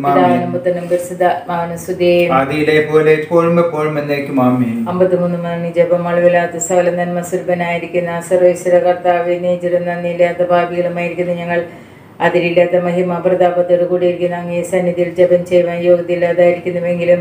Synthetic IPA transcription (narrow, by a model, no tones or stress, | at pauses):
id̪aːʋɐnɐmbɐt̪ːɐnːɐmbɐɾsid̪ɐmaːɐnɐsud̪eːjmɐðijilepoːlepoːɻumbepoːɻumenːeːkʲːumaːmiɐmbɐt̪ːimunːumɐnɐnid͡ʑebɐmɐɭɐʋɐlaːt̪ːɐsɐːlɐmɐnmɐsuɾbɐnaːjiɾikʲːunːɐsɐrʋɐisiɾɐkɐrt̪aːʋiniːd͡ʑiɾɐnnɐnːilːaːt̪ːɐbʱaːbiɣɐɭumaːjiɾikʲːunːɐɲɐŋːɐɭ | ɐðiɾilːaːt̪ːɐmɐɦimɐprɐd̪aːbɐt̪ːoɽukuːɽijiɾikʲːunːɐɐŋːesɐnːiðijild͡ʑɐbɐnt͡ɕejʋaːnjo̞ːɡɐd̪ilːaːðaːjiɾikʲːunːɐʋeŋɡilum